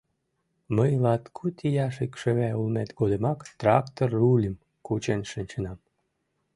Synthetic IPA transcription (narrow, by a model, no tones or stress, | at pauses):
məjlɑt̪kʰut̪ʲijɑʃikʃəβæulmet̪ɡod̪əmɑkt̪rɑkt̪orulʲim | kut͡ɕenʃinʲt͡ɕənɑm